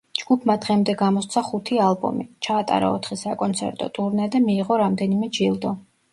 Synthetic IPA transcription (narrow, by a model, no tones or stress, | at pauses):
d͡ʒɡ̥upʰmad̪ʁɛmd̪ɛɡamɔssʰaχut̪ʰialˠbɔ̰mit͡ʃʰaːt̪ʼa̰ɾa̰ɔt̪ʰχisakʼɔnt̪sʰɛ̰ɾt̪ʼɔ̰t̪ʼuɾnɛd̪ɛmiːʁɔɾamd̪ɛnimɛd͡ʒilˠd̪ɔ